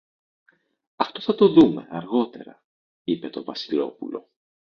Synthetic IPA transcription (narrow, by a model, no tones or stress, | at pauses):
ɐft̪o̞θɐt̪o̞ðume̞ɐɾɣo̞t̪e̞̰ɾɐ | ipe̞t̪o̞vɐsilo̞pulo̞̰